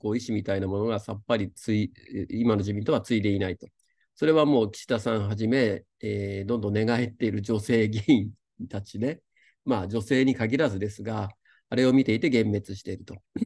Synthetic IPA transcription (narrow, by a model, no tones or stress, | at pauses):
ko̞ːiɕimʲit̪ainamo̞no̞ɡasapːaɾʲit͡sɨiimano̞ʑibʲĩnt̪oat͡sɨid̪e̞inait̪o̞ | so̞ɾe̞β̞amo̞ːkʲi̥ɕi̥t̪asãɰ̃ɦaʑime̞ | eːd̪õ̞nd̪õ̞nːe̞ɡae̞t̪ːe̞iɾɯ̟d͡ʑo̞se̞ːɡeĩn | t̪at͡ɕid̪e̞ | mad͡ʑo̞se̞ːɲ̟ikaɡʲiɾazɨd̪e̞sɨɡaː | ɾe̞o̞mʲit̪e̞it̪e̞ɡẽ̞mːe̞t͡sɨɕi̥t̪e̞ɾɯ̟t̪o̞